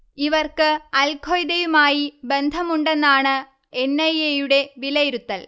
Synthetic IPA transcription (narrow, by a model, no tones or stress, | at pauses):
iʋɐrkɨɐlkʰojd̪ɐjumaːjibe̞nd̪ʱɐmuɳɖe̞nːaːɳɨ | enːɐjejuɽe̞ʋilɐjiɾut̪ːɐl